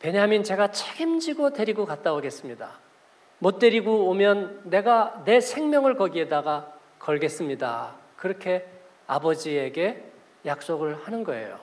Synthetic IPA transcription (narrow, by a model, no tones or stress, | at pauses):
pe̞ɲamint͡ɕe̞ɡat͡ɕʰeɡimd͡ʑiɡote̞ɾiɡokat̚t͈aoɡe̞s͈ɯmɲida̰ | mot̚t͈e̞ɾiɡoomjʌnːe̞ɡane̞sʰe̞ŋmjʌŋɯɭkʌɡie̞daɡa | kʌɭɡe̞s͈ɯmɲida̰ | kɯɾʌkʰe̞ | a̰bʌd͡ʑieɡe̞ | jak̚s͈oɡɯɭhanɯnɡʌe̞̰jo̰